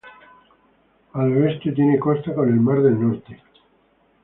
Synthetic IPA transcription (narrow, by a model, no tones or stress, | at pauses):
alest̪et̪jeneko̞st̪ako̞ne̞lmaɾðe̞lnoɾt̪e